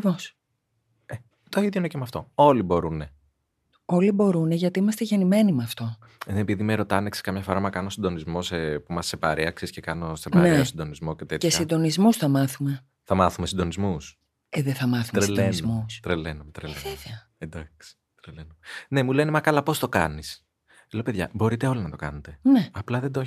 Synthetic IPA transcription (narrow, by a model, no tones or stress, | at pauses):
ɐkɾivos | e | t̪oiðjoinecemɐft̪o̞o̞libo̞ɾune̞ | o̞libo̞ɾuneʝɐt̪iimɐst̪eʝe̞nime̞nimɐft̪o̞ | ðenepiðimeɾo̞t̪ɐnekse̥kɐmʝɐfo̞ɾɐmɐkɐnosind̪o̞nizmo̞sepumɐsːepɐɾeɐksisce̞kɐno̞sepɐnɾeeosind̪o̞nizmo̞cet̪et̪ce̞sind̪o̞nizmusθɐmɐθume̞ | θɐmɐθumesind̪o̞nizmus | eðeθɐmɐθuɾeenzmust̪ɾelenumet̪ɾeleveveɐ | end̪ɐksi̥ | t̪ɾelenumene̞mule̞nemɐkɐlɐpo̞st̪o̞kɐ̰nis | eleope̞ðʝɐ̰bo̞ɾit̪e̞o̞linɐt̪o̞kɐ̰net̪e̞neɐplɐðed̪o